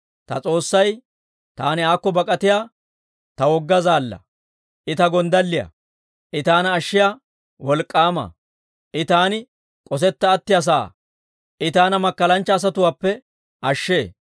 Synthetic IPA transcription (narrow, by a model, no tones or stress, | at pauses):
t̪ɐt͡sʼo̞ːsːɐj | t̪aːnɪaːkːɔbɐkʼɐt̪ɪjaː | t̪ɐwɔɡːɐzaːlːɐ̰ | ʔɪt̪ɐɡɔnd̪ɐlːɪjɐ̰ | ʔɪt̪aːnɐːʃːɪjaː | wɔlkʼːaːmɐ̰ | ʔɪt̪aːnɪ | kʼɔs̬ɛt̪ːɐːt̪ːɪjɐs̬a̰ː | ʔɪt̪aːnɐmɐkːɐlɐnt͡ʃːɐːs̬ɐt̪ʊwaːpːɛ | ʔɐʃːe̞ː